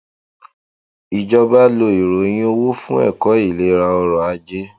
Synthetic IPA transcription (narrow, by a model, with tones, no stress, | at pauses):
i˨d͡ʒɔ˦˧ba˦lo˧˨i˨ɾo˨˦j̃ĩ˦o˦wo˦fũ˦ɛ̰˦˨kɔ˨˦i˦˨le˨˦ɾa˧ɔ˧ɾɔ˨a˨˧d͡ʒe˦